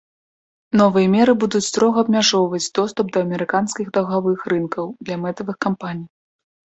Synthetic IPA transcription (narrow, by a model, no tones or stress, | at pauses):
nɔvɨjɐmʲɛɾɨbud̪ut͡sʲst̪ɾɔɣɐːbmʲaʐɔwvɐd͡zʲd̪ɔst̪upd̪ɐːmʲɛɾɨkanskʲiɣd̪ɐwɣavɨxrɨnkɐwd̪lʲɐmɛt̪ɐvɨxkampanʲij